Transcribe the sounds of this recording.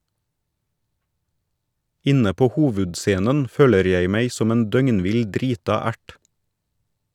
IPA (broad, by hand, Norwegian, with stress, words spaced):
ˈɪnə ˈpoː ˈhoːʋʉdˌseːnən ˈføːləɾ ˈjæɪ ˈmæɪ ˈsɔm ˈeːn ˈdœŋnˌʋɪl ˈdɾiːtɑ ˈæʈ